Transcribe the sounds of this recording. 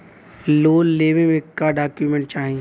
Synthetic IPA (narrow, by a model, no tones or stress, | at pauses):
loːlleːʋẽmẽkːaɖaːkjumẽɳʈ̚t͡ʃaːɦĩ